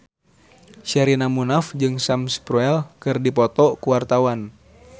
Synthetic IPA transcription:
ʃɛɾinamunafd͡ʒɨŋsamspɾuɛlkɨrdipɔt̪ɔkuwart̪awan

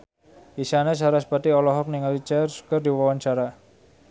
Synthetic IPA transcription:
isanasaɾaspat̪iɔlɔɦɔk̚niŋalit͡ʃarsu̥kərd̪iwawant͡ʃaɾa

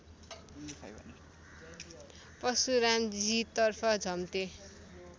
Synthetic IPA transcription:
pʌsuɾamd͡zit̪ʌrpʰʌd͡zʱʌmt̪e

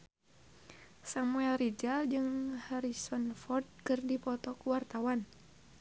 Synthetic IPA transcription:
samuɛlrid͡ʒald͡ʒɨŋhaɾisɔnfɔrd̪̚kɨrdipɔt̪ɔkuwart̪awan

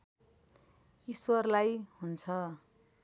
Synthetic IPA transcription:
iswʌrlajɦunt͡sʰʌ

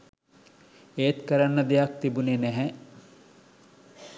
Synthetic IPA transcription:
eːt̪kəɾanːəd̪ejak̚t̪ibunenɛɦɛ

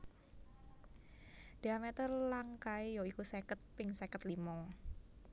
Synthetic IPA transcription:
d̥eamet̪ərlaŋkaejoikusekət̪̚pɪŋsekət̪limɔ

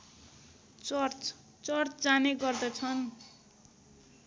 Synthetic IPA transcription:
t͡sr | t͡sʌrt͡sd͡zaneɡʌrd̪ʌt͡sʰʌn

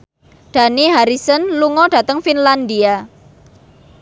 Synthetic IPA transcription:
ɖ̪̥ä̤niɦaɾisənluŋɔɖ̥ä̤t̪əŋfinland̪ia

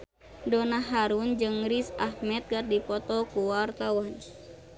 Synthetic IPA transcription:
dɔnaɦaɾund͡ʒɨŋɾisahmɛt̪̚ɡardipɔt̪ɔkuwart̪awan

